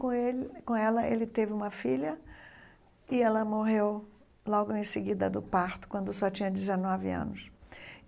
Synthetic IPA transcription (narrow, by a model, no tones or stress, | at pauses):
kõelkõɛlɐʔḛlɪt̪evɪũmɐfiʎɐ | ɪɛlɐmoɦew | lɔɡʊẽj̃seɡid̪ɐd̪ʊpaɾt̪ʊ̥kwɐ̃nd̪ʊsɔt͡ʃĩɲɐd͡ʒɪzenɔvɪ̰ɐ̰̃nʊs